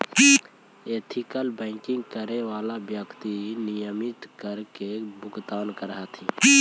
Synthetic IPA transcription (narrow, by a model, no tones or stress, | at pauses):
eːt̪ʰikəlbəɪkɪ̃ŋɡkəɾeʋaːlabjəkt̪inɪjəmɪt̪kəɾkebʊɡt̪aːnkəɾɦat̪ʰĩː